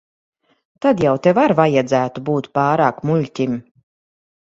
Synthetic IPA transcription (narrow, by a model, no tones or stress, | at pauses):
t̪ad̪jawt̪evaɾvajad̪zæːt̪ubuːt̪pɑːɾaːkmulʲtʲim